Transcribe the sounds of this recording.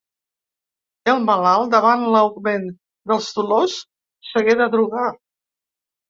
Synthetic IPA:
əlˠməlalˠd̪əβanləwɣmen | d̪əlˠst̪ulosː | əɣeðəðɾuɣa

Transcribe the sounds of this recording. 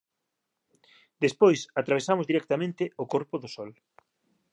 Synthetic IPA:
d̪espojsat̪ɾaβ̞esamʊzðiɾɛk̚t̪amẽnt̪ɪʊkoɾpʊðʊsɔl

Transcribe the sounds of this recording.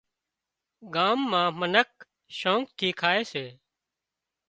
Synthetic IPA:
ɡaːmːãːmənək̚ | ʃõːŋk̚t̪ʰiːkʰaːeːseː

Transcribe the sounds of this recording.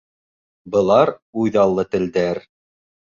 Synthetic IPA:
bɤ̆lˠɑɾujðɑlˠːɤt̪ɘ̆ld̪æɾ

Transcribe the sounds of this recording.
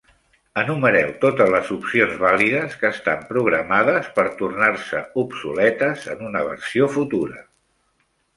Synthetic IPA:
ənuməɾɛwt̪ot̪əzləzupsionzβaliðəskəːst̪ampɾuɣɾəmað̞əspəɾt̪urnarsə̰upsulɛt̪əzə̰nunəβ̞ə̰rsiofut̪uɾə

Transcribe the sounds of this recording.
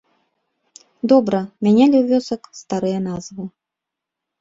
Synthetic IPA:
d̪ɔbɾɐmʲanʲɛlʲiwvʲɔsɐkst̪aɾɨjɐnazvɨ

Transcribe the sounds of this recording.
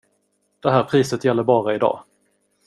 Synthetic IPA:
d̪̥ɛɦæːɾpʰɾiːsət̪jɛlːəɾbɑːɾaɪd̪ɑ̰ː

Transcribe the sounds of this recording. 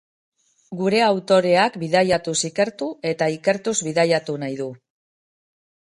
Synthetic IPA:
ɡuɾe̞awt̪o̞ɾe̞akbiðajat̪usike̞ɾt̪ue̞t̪aike̞ɾt̪uzβiðajat̪unajðu

